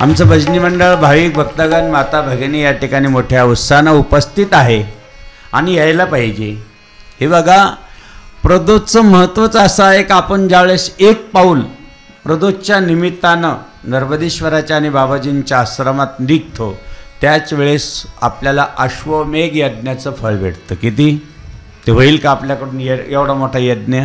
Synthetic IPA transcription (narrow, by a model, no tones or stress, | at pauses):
a̰mt͡səbʱəd͡ʑniməɳɖəɭbʱaʋiːk̚bʱəkt̪əɡənmat̪abʱəɡenijaʈʰikaɽ̃iːmoʈʰjaut̪sanaupəst̪ʰit̪aɦe | a̰ɽ̃ijajləpaɦid͡ʑe | ɦebəɡa | pɾəd̪ot͡səməɦət̪ʋət͡sasaekapənd͡zaʋɭesek̚pauːl | pɾəd̪ot͡ɕjanimit̪ːanə | nəɾbəd̪iɕʋəɾat͡ɕjaːɽ̃ibabad͡ʑint͡ɕjasɾəmat̪nik̚t̪ʰot̪jat͡sʋeɭesa̰pljalaʔəɕʋəmeɡjəd̪̚njat͡səfəɭʋḛɽt̪əkit̪iː | t̪eʋ̤əiːlkaapljakəɽuːnjejeʋɽamoʈʰaəjəd̪njə